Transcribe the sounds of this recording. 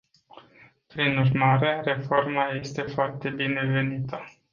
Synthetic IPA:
pɾinurmaɾere̞fo̞rmaje̞st̪e̞foart̪e̞bine̞ve̞nit̪ə

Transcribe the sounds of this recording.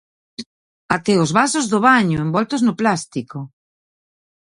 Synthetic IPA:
at̪ɛozβasozðoβaɲoembɔlt̪oznoplast̪iko

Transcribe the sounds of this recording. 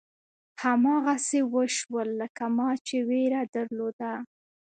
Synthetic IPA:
hamɑɣasewəʃwəlːəkamɑt͡ʃeweɾad̪aɾlod̪a

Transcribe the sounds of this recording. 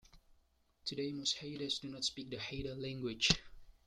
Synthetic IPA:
tʰudeɪmosheɾəsdunɔtspik̚dəheɪɾəlæ̃ŋɡwɪd͡ʒ

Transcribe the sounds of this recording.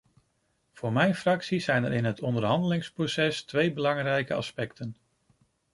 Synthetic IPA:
v̥ʊːɹmɛjnfrɑksizɛjnə̰ɾɪnɦətʰɔndəɹɦɑndəlɪŋsprosɛstʋejbəlɑŋrɛjkəɑ̰spɛktən

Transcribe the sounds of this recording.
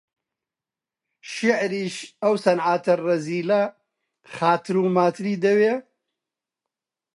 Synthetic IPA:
ʃɪʕɾiːʃɐwsɐnʕaːt̪ʰɐrɐziːlɐ | xaːt̪ʰɨɾuːmaːt̪ʰɨɾiːd̪ɐweː

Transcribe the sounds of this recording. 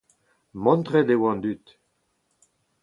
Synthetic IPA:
mɔ̃nt̪ʁɛd̪ewɑ̃nd̪yt̪

